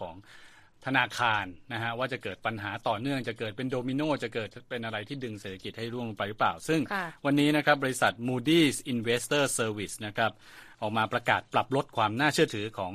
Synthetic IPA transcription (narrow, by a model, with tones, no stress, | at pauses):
ɔː˩˦ŋ | t̪ʰa˧naː˧kʰaː˧nːa˦˥kʰa˦˥ʔwaː˥˩t͡ɕa˨˩kɤː˨˩t̪̚pa˧nɦaː˩˦t̪ɔː˨˩nɯ˥˩əŋt͡ɕa˨˩kɤː˨˩t̪̚pe˧ndoː˧mi˧noː˥˩t͡ɕa˨˩kɤː˨˩t̪̚pe˧nʔa˧ɾa˧jt̪ʰiː˥˩dɯ˧ŋseː˨˩t̪ʰa˧ki˨˩t̪̚ha˥˩jɾu˥˩əm˩pa˧jɾɯ˦˥plaː˨˩wsɯ˥˩ŋwa˧nːiː˦˥na˦˥kʰɾa˦˥p̚bɔː˧i˧˥sa˨˩t̪̚muː˧diː˥˩sʔi˧nweː˦˥st̪ɤː˥˩sɤː˧wi˨˩sna˦˥kʰɾa˦˥p̚ | ʔɔː˨˩k̚maː˧pɾa˧ka̰ː˨˩t̪̚pla˨˩p̚lo˦˥t̪̚kʰwaː˧mnaː˥˩t͡ɕʰɯ˥˩ɐt̪ʰɯː˩˦kʰɔː˩˦ŋ